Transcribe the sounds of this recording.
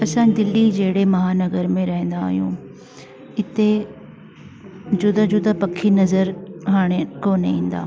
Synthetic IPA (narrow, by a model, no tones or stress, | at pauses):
ɐsãːd̪ɪlːid͡ʑeːɽemɐɦaːnɐɡəɾmẽɾɐɦẽn̆d̪aːɦijṵ̃ | ɪt̪e | d͡ʑʊd̪ad͡ʑʊd̪apɐkʰinɐzəɾɦaːɽ̃ekoːneḭ̃ːn̆d̪a̰ː